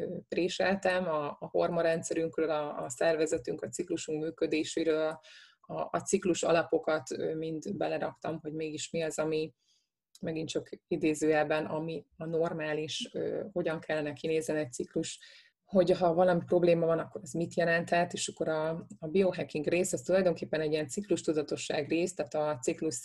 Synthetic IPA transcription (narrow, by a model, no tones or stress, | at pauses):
øreːʃɛlt̪ɛmɒːho̞rmɒɾɛnt̪sɛɾyŋkrøːlɒːsɛrvɛzɛt̪yŋkɒt̪sikluʃuŋkmyːkød̪eːʃeɾøːll | ɒ̰ːt̪sikluʃɒ̰lɒpo̞kɒt̪ømint̪bɛlɛɾɒkt̪ɒmɦo̞ɟmeːɡiʃmiɒzɒmi | mɛɡint͡ʃɒkid̪eːzøːɛbːɛnɒmiɒno̞rmaːliʃøho̞ɟɒŋkʰɛlːɛnɛkineːznɛnɛc̪̚sikluʃ | ho̞ɟɦɒvɒlɒmipro̞bleːmɒvɒnɒkːo̞ɾɛzmit̪jɛlɛnt̪hɛt̪eːʃɒkːo̞ɾɒːbioɦɛkːiŋɡreːsɒst̪ulɒjd̪o̞ŋkeːpːɛnɛɟːiɛnt̪sikluʃt̪ud̪ɒt̪o̞ʃːa̰ːɡreːst̪æːt̪ɒt̪sikluʃ